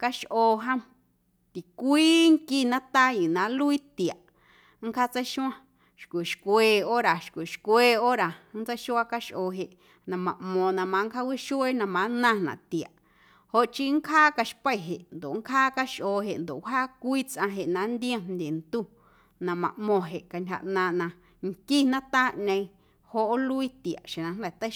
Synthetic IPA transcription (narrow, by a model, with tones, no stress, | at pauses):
ka˧ʃʔoː˧ɦã˦ | t̪i˨kʷiː˦ŋki˦nã˦t̪a˦jĩ˨nã˨˦lu˦i˦t̪i˨a˨ʔ | ŋ˦kʰa˦t͡sa˦ʃũ˦ã˦˧ | ʃkʷi˨ʃkʷeː˧o˦ɾa˨ʃkʷi˨ʃkʷeː˧o˦ɾa˨n̩˦t͡sa˦jʃu˦a˦ka˦ʃʔoː˧˨ɦe˧˨ʔ | nã˧mã˨ʔmõ˧˨nã˧mã˧˦ŋkʰa˦wi˦ʃu˦e˦nã˧mã˨˦nã˧nã̰˨ʔt̪i˨a˨ʔ | ho˧ʔt͡ʃi˦ŋ˦kʰaː˦ka˧ʃpə˦˨ɦe˨ʔnd̪o̰˨ŋkʰaː˦ka˦ʃʔoː˧˨ɦe˨ʔnd̪o̰˨ʔɦaː˦kʷiː˦t͡sʔã˧ɦe˨ʔnã˧˦nd̪i˦ẽ˧mnd̪ʲe˨nt̪u˦ | nã˧mã̰˨ʔmõ˧ɦe˨ʔka˧ntʲha̰˧ʔnã˧nã˧ | ŋki˦nã˦t̪a˦ɲə̃˧ĩ˧ | ho˧˦ʔo˦lu˦i˦t̪i˨a̰˨ʔʃẽ˨nã˧nd̪ɛ˧˨t̪ə˦